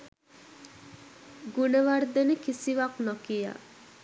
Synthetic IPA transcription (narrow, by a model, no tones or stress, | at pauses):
ɡunəʋard̪ənəkisiʋaknɔkija̰